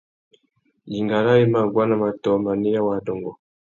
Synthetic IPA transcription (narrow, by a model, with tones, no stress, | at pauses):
ji˨ŋɡa˨ɾa˦ji˦ma˨ɡwa˦na˨ma˨tɔ˨˦ma˨ni˦ja˦wa˨˦dɔ˨ŋɡɔ˨